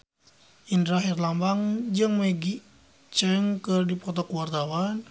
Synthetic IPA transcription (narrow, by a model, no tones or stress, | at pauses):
ʔindɾaɦirlambaŋd͡ʒɨŋməɡi | t͡ʃɛŋkɨrdipɔt̪ɔkuwart̪awan